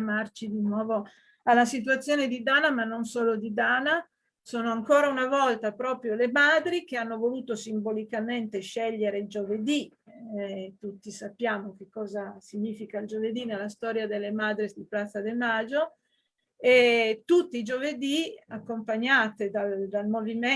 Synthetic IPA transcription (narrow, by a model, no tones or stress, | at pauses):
mart͡ʃid̪inwɔːvo | alːasit̪̬uat̪sːjoːned̪id̪aːnamanːonsoːlod̪id̪aːna | soːnoaŋkoːɾaunavɔlt̪apɾɔːpɾjolemad̪ɾik̟eanːovoluːt̪osimbolikament̪eʃɛʎːeɾeild͡ʒoved̪i | t̪ut̪ːisapːjaːmok̟ekːɔːzasiɲiːfikaild͡ʒoved̪inelːast̪ɔːɾjad̪elːemad̪ɾid̪iplat̪sːad̪emad͡ʒo | et̪ut̪ːiːd͡ʒoved̪iakːompaɲːaːt̪ed̪ald̪almovime